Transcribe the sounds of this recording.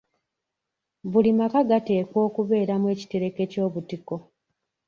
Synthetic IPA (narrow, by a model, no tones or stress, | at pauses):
βulimakaɡate̞ːkwo̞ːkuβe̞ːɾamwe̞ːci̥te̞ɾe̞ke̞co̞ːβutiko̞